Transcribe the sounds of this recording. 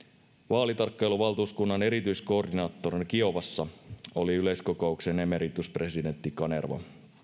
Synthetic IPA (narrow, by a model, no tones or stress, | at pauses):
ʋɑːlit̪ɑrkːɑjluʋɑlˠt̪uːskunːɑne̞ɾit̪yjsko̞ːrdinɑːt̪ːoɾinkio̞ʋɑsːɑo̞liyle̞jsko̞ko̞uksenemeɾit̪ːuspre̞side̞nt̪ːikɑnḛrʋɑ̰